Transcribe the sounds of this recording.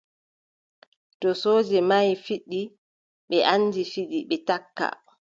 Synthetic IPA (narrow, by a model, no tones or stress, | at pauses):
tɔsoːd͡ʒɛmajfiɗːi | ɓɛʔand͡ʒifiɗiɓɛtakːa̰